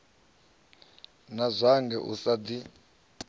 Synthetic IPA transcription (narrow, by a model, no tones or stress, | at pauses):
nazʷaŋɡɛʔṵsadi